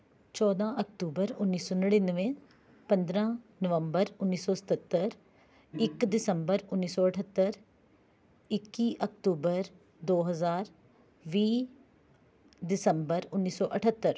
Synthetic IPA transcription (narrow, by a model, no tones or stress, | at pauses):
t͡ʃɔːd̪ãːʔək̚ʈ̪uːbəɾʊnːiːsoːnəɽiːnəʋẽː | pə̃nd̪ɾãːnəʋəmbəɾʊnːiːsɔːsə̥t̪ət̪ːəɾ | ɪkd̪ɪsəmbəɾʊnːiːsɔːəʈʰət̪ːəɾ | ɪkːiːʔək̚ʈuːbəɾ | d̪oːɦəzaːɾ | ʋiː | d̪ɪsəmbəɾʊnːiːsɔːʔəʈʰət̪ːəɾ